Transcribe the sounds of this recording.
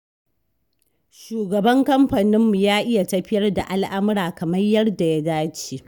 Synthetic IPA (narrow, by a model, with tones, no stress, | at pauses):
ʃuː˨ɡɐ˨bɐ˦ŋkɐ˦mɸa˨nɪ˦mːu˨jaː˦ʔɪ˦ja˨tɐ˦ɸɪ˦jɐ˦rda˨ʔa˦lʔa˦mʊ˦ɾaː˨kɐ˨mɐ˦jjɐ˦rda˨ja˦daː˦t͡ʃeː˦